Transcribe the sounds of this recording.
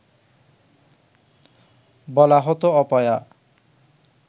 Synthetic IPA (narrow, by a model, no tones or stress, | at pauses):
bɔlaɦɔt̪oɔpɔja